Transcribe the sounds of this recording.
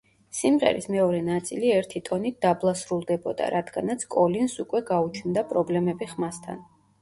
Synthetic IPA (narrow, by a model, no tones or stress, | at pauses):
simʁɛ̰ɾḭsmɛɔɾɛnat̪sʼiliɛɾt̪ʰit̪ʼɔnit̪̚d̪̥ablˠasɾulˠd̪ɛbɔd̪a̰ɾad̪ɡanat̪sʰkʼɔlinsukʼwɛɡaut͡ʃʰnd̪apʼɾɔblɛmɛbiχmast̪ʰa̰n